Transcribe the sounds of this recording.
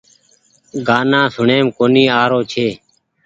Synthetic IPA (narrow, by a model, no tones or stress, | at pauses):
ɡaːnãːsʊɳeːmkoːniːaːɾoːt͡ʃʰeː